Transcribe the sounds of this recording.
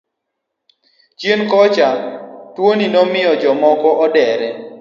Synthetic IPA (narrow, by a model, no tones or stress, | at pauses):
t͡ʃjenkɔt͡ʃatwoninɔmɪjɔd͡ʒɔmɔkɔɔdɛɾɛ